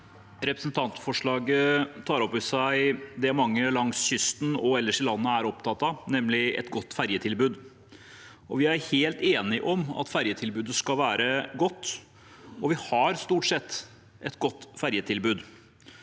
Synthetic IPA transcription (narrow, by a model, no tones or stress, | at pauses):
ɾɛpɾəsn̩t̪ʰɑnt̪fɔʂɭɑːɡət̪ʰɑːɾɔpːɪsæɪd̪ɛæɾmɑŋːəlɑŋsçʏst̪n̩ɔɛlːəʂɪlɑnːəæɾɔpt̪ʰɑt̪ɑnɛmːlɪɛ̰t̪ɡɔt̪ːfæɾjət̪ʰɪlbʉːd̪ | ɔʋɪæɾheːlt̪eːnɪʔɔmɑ̰t̪fæɾjət̪ʰɪlbʉːd̪əskɑlʋæːɾəɡɔt̪ː | ɔʋɪhɑɾst̪uːʈsɛt̪ː | ʔɛt̪ɡɔt̪ːfæɾjət̪ʰɪlbʉːd̪